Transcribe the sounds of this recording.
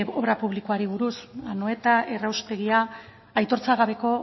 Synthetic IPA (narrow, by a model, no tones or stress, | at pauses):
oβɾapuβ̞likoaɾiβ̞uɾusanoe̞t̪ae̞rawst̪e̞ɣiaː | jt̪o̞ɾt͡saɣ̞aβ̞e̞ko̞